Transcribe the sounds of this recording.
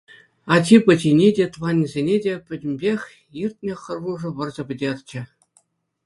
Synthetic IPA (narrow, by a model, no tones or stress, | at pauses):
ɑt͡ɕʲipɤ̆t͡ɕinʲedʲet̪ʋɑnʲzʲenʲedʲepʲɘ̆dʲɘ̆mʲbʲexʲ | irʲt̚ʲnʲɘ̆xʲɤ̆rʋuʐɤ̆ʋɤ̆rzɤ̆pʲɘ̆dʲerʲt͡ɕɘ̆